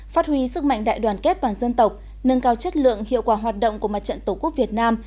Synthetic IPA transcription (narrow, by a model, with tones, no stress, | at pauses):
faː˦˥t̚hwi˧sɨ˦˥k̚ma̰˧˨ŋ̟ɗa̰ː˧˨jɗwaː˨˩nkɛ˦˥t̚t̪waː˨˩nzə˧nt̪ə˨˩wk͡p̚ | nə˧nkaː˧wt͡ɕə˦˥t̚lɨ̰˧˨əŋhḭ˧˨əwkwaː˧˩˦ɦwaː˨˩t̚ɗo̰˧˨wŋ͡mku˧˩əma˨˩t̚t͡ɕə̰˧˨nt̪o˨˩ku˦˥ək̚vi˨˩ət̚naː˧m